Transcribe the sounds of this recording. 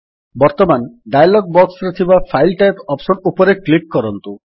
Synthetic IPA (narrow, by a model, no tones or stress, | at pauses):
bɔɾt̪ɔmanɖajalɔɡ̚bɔksɾet̪ʰibapʰajlʈajpɔpsɔnupɔɾeklikːɔɾɔnt̪u